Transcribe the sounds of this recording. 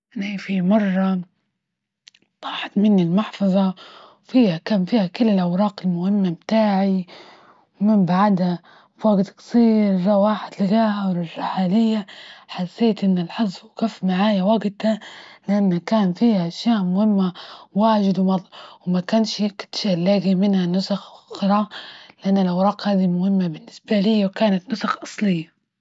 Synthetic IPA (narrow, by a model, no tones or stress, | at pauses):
ʔaniːfimɑrˤːɑ | waːħɪd̪mɪnːɪlmʊħfɑðˤɑwfiːhakaːnfiːhakʊlːɪlʔawɾˤɑːqɪlmʊhɪmːamt̪aːʕi | wmɪmbaʕd̪ha | waɡt̪kɑ̥sˤiːɾɑwaːħɪd̪lɪɡaːhawlɪrˤːɪħaːlɪjːaħasːeːt̪ʔɪnːalħɑzˤfkafːmaʕaːjawaɡt̪alɪʔanːakaːnfiːhaʔaʃjaːʔmʊhɪmːawaːʒɪd̪wmɑd̪ˤwɪmakaːnʃkt̪ʃʔlːaːɡimɪnhanʊsaxxɾˤɑlɪʔanːalawɾˤɑːqhaːd̪imʊhɪmːabɪnːɪsbalɪjːawkaːnat̪nʊsaxʔɑsˤlɪjːa